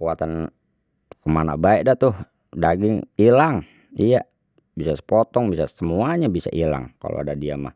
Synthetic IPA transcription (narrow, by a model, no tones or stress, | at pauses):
kuat̪an | kəmana̰baɛʔ̚dat̪ʊh | daɡɪŋilaŋ | ija | bisasə̥pɔt̪ɔŋbisasəmuaɲabisa̰ʔila̰ŋka̰lo̰a̰dadiama̰h